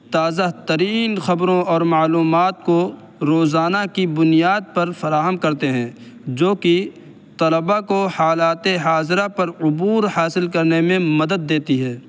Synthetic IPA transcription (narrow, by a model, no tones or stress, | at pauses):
t̪aːzaɦt̪ɐɾiːnxɐbɾõɔːɾmaːluːmaːt̪ko | ɾoːzaːnakibʊnijaːd̪̚pɐɾfɐɾaːɦəmkɐɾt̪eɦɛ̃ː | d͡ʒoːki | t̪ɐləbakohaːlaːt̪eɦaːzɾapɐɾʊbuːɾhaːsɪlkɐɾnemẽmɐd̪əd̪ːeːt̪iɦɛː